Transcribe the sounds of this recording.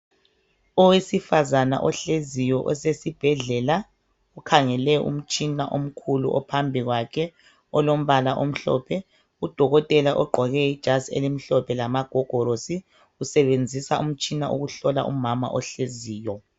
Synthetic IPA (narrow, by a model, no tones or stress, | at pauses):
ɔwesifazana̰ʔɔɬezijɔʔɔsesib̥ʱɛɮɛla | ukʰaŋɛlɛṵm̩t͡ʃʼinaʔom̩kʰulṵʔɔ̰pʰambʱiɣwakʰɛ | ɔlom̩βalaʔom̩ɬɔ̰pʰɛ | ud̥ʱɔɣɔtʼɛlaʔɔɡ͡ǃʱɔɣɛid̥ʒ̥ʱasiḛlim̩ɬɔpʰɛlamaɡ̥ʱɔɡ̥ʱɔɾosi | usɛβend͡zʱisaum̩t͡ʃʼinaʔṵɣuɬɔla̰ʔṵmama̰ʔɔɬeziːjɔ